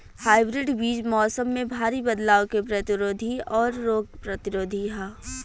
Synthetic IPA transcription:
haːɪbɾɪɖʋiːd͡ʒmɔːsəmːẽbʱaːɾibɐd̪laːokepɾɐt̪ɪɾoːd̪ʱiɔːɾːoːɡ̚pɾɐt̪ɪɾoːd̪ʱiɦaː

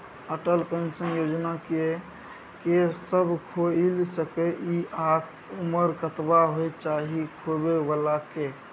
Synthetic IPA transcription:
əʈəlpənsə̃njod͡ʒnakee | kesəbʱkʰoilsəkeʔiʔak | uməɾkət̪baɦojt͡ʃaɦikʰobebəlake

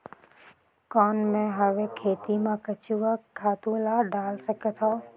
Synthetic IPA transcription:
kɔːnmẽɦɐʋekʰeːt̪imãkɐt͡ʃuʋakʰaːt̪ulaːɖaːlsɐkət̪ʰaː

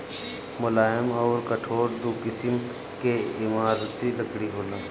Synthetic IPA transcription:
mʊlaːɪmɔːɾkəʈʰoːɾd̪uːkɪsɪm | keɪmaːɾt̪iləkɽiɦoːlãː

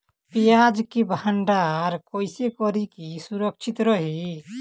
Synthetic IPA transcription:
pijad͡ʒkibəɳɖaɾkoisekɔɾikisuɾəkt͡ʃʰit̪ɾəɦi

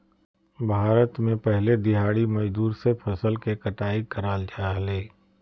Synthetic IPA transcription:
bʱaːɾət̪mẽpɛɦled̪ɪɦaːɽimɐd͡ʒd̪uːɾsepʰəsəlkekəʈaːikəɾaːld͡ʒaːɦleː

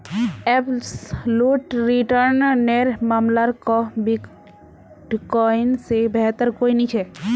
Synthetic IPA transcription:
ɛpsluʈɾiʈəɾnneɾmamlaɾkɔbi | ʈkɔɪnsebɛɦt̪əɾkoinit͡ʃʰɛ

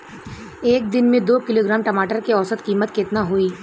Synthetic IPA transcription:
eːk̚d̪ɪnmẽd̪oːkɪloːɡɾaːmʈɐmaːʈəɾkeɔːsət̪kiːmət̪keːt̪naɦoːiː

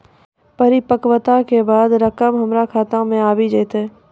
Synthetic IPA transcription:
pəɾipəkwət̪akebaːd̪ɾəkəmɦəmɾakʰaːt̪ãmẽaːbid͡ʒeːt̪ɦɛː

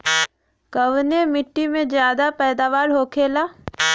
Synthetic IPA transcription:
kɐʋnemɪʈːimẽd͡ʒjaːd̪apɛːd̪aːʋaːɾɦoːkʰeːlaː

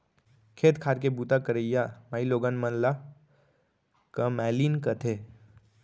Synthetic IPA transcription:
kʰeːt̪kʰaːɾkebuːt̪akəɾəjamaːiloːɡanmənla | kəmɛːliːnkət̪ʰe

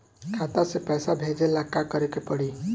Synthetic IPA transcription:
kʰat̪asepɛsabʱed͡ʒelakːakəɾekepəɽi

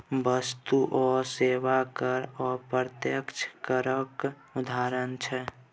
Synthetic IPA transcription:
bəst̪uʔɔseʋakəɾɔpɾət̪jəkt͡ʃʰkəɾək | ud̪ʱaɾənt͡ʃʰɛ

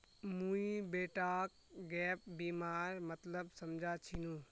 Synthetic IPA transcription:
mũibeːʈaːk̚ | ɡɛːp̚biːmaːɾmɐt̪ləbsɐmd͡ʒʱat͡ʃʰinũː

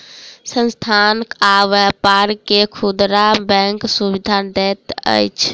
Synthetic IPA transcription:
sə̃nst̪ʰankaʋɛpaɾkekʰud̪ɾabɛ̃ŋksuβid̪ʱad̪ɛt̪ə̰jt͡ʃʰ

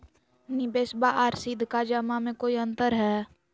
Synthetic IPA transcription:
nɪbeːsbaʔaːɾsid̪ʱkad͡ʒəmamẽkoːiə̃nt̪əɾɦɛː

